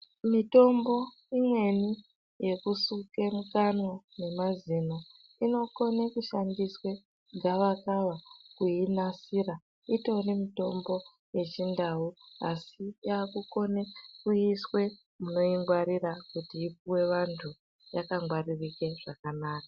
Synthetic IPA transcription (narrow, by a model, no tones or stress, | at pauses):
mito̞mbo̞ | imwe̞ni | je̞kusuke̞mukanwa | ne̞mazino̞ | ino̞ko̞nekuʃandiswe̞ | ŋɡaʋakaʋakuinasira | ito̞rimito̞mbo̞ | je̞t͡ʃindauasijaːkuko̞nekuiswe̞ | muno̞iŋɡwaɾirakutiːp̚uwe̞ʋantʰu | jakaŋɡwaririke̞ʐ̥akanaːkḁ